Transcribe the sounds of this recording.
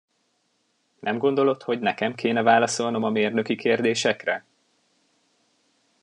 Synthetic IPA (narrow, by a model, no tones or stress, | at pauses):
nʔɛmɡo̞nd̪o̞lo̞t̪ho̞ɟnɛkɛmkʰeːnɛvaːlɒso̞lno̞mɒmeːrnøkikeːrd̪eːʃɛkrɛ